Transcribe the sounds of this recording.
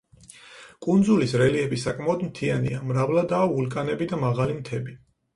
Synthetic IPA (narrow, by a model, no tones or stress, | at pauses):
kʼund̪zulisɾɛliɛbisakʼmaɔd̪mt̪ʰianḭamɾavlad̪aːvulˠkʼanɛbid̪amaʁalimt̪ʰɛbi